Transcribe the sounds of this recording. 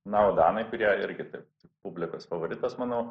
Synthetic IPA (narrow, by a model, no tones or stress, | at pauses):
nɐoːd̪ɑːnɐɪkʊɾʲiɛɪɾʲɡʲɪt̪ɐɪpt̪ʲɪkpʊbʲlʲɪkoːsfɐʋoːɾʲɪt̪ɐsmɐnɐʊ